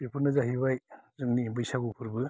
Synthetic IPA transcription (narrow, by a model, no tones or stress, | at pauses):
bipʰunɯzaɦibajzɯŋnibɯjsaɡupʰuɾbɯ